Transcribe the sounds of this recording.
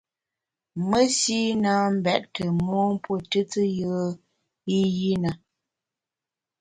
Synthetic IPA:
mə˦si˦naː˦m̩˦bɛ˨ʔtə˨mɔ˦m˦po˦˨tɨ˦tə˦jə˦ | i˦ji˦na˨

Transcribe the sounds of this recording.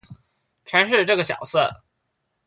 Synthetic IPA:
ʈ͡ʂʰwa˧˥nʂ̬ɻ̩˥˧ʈ͡ʂɤ˥˩ɡə˩ɕjɑ̰˨˩ʊsɤ˥˩

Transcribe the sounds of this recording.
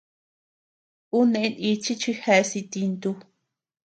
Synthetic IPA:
u˦nẽ˧ʔẽ˦i˧t͡ʃi˦t͡ʃi˧he˧ʔsi˧t̪i˧nt̪u˧

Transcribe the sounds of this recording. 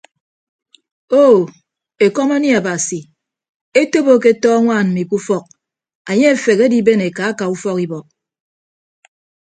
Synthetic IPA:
o˦˨ | e˨kɔ˦ma˦ni˦a˨ba˨si˨ | e˦to˦bo˦k̬e˦tɔː˦ŋʷaː˦˨nm̩˨mi˨ku˦fɔ˦˨k̚ | a˨ɲe˦e˨fe˨ke˦di˦be˦ne˨ka˨˦a˦ka˨u˦fɔ˦ki˦bɔ˨k̚

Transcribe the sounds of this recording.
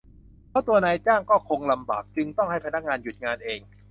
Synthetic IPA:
pʰɛ˦˥˩t̪u˧ɐnaː˧jt͡ɕaː˥˩ŋkɔː˥˩kʰo˧ŋla˧mba̰ː˨˩k̚t͡ɕɯ˧ŋt̪ɔ˥˩ŋɦa˥˩jpʰa˧na˦˥k̚ŋaː˧nju˨˩t̪̚ŋaː˧nʔeː˧ŋ

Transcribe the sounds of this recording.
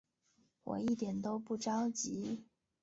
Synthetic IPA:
wɔ̰˨˩i˥˩t̪jɛ˨˩nt̪o˥ʊpu˥˩ʈ͡ʂɑ˥ʊt͡ɕi˧˥

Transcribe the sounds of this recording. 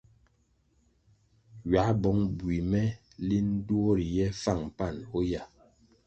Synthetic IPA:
ɥa˨˦bɔ˨˦ŋbwi˨mɛ˦ | li˦n̩˦du˦o˦ɾi˨jɛ˦fa˦˨ŋ˨pa˦˨no˦ja˦˨

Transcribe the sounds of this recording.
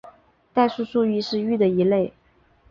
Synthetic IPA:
t̪a˥˧ɪʂu˥˧ʂu˥˧y˥˧ʂɻ̩˥˧y˥˩d̪ə˩i˧˥le˥˩ɪ

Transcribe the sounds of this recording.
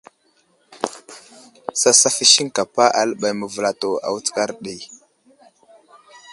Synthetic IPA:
sa˦sa˦fi˦ʃi˦ŋka˨pa˦ʔa˨lə˦ɓa˨jmə˨və˨la˨to˨a̰˨wu˦t͡ska˦ɾɗi˨

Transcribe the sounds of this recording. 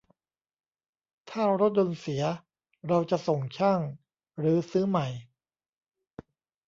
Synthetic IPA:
t̪ʰaː˥˩ɾo˦˥t̪̚d̪o˧nsi˩˦ɐ | ɾa˧wt͡ɕa˨˩so˨˩ŋt͡ɕʰaː˥˩ŋ | ɾɯː˩˦sɯː˦˥ma˨˩j

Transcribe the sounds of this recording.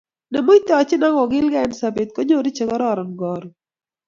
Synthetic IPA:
na˨mo˦it̪ɔ˦ɔ˨t͡ʃɪ˦na˦ŋɔ˨ɡɪ˦lɡa˦ɛnsa˨be˨t̪̚ko˦ɲo˦ɾi˦t͡ʃe˦ɡɔ˦ɾɔ˦˨ɾɔ˨nɡɔ˨ɾ

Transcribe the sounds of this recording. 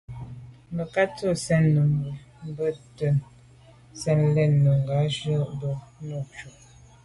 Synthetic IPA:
mə˨ka˦tə˦˨sɛ˦nːə˨mə˨ | m̩˦bə˦˨tə˨n | sɛ˦˨nlɛ˦˨nːə˨ŋ˨ɡa˨˦ʒə˦do˨no˦˨t͡ʃu˨

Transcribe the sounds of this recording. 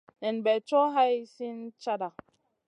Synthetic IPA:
nɛ˨nbɛ˨t͡ʃo˦ɦa˦jsi˦nt͡ʃa˦da˨

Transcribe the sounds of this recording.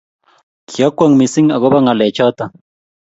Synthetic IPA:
kʰi˨a˦kwa˦˨ŋmi˨si˦ŋa˨ɣɔ˦ba˦ŋa˨lɛ˨t͡ʃɔ˦t̪a˨

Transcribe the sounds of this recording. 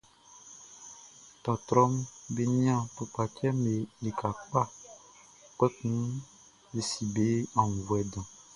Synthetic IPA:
t̪ɔ˨t̪ɾɔ˦mbe˦ɲĩ˦ã˦˨po˨pa˨t͡ʃɛ˦me˨le˨kʰa˨k͡pa˦ | k͡pɛ˦kũ˦ | be˨si˨be˦ã˨ŋ˨vu˨ɛ˨dã˨

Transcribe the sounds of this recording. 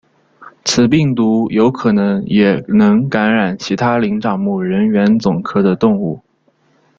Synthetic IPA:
t͡sʰɹ̩˨˩p̬i˥˩ŋt̪u˧˥jo˧˥ʊkʰɤ˨˩nɤ˧˥ŋjɛ˨˩nɤ˧˥ŋka˧˥nɻa˨˩nt͡ɕʰi˧˥t̪ʰa˥li˧˥ŋʈ͡ʂɑ˨˩ŋmu˥˩ɻə˧˥nɥɛ˧˥nt͡sʊ˨˩ŋkʰɤ˥d̪ə˨t̪ʊ˥˧ŋu˥˩

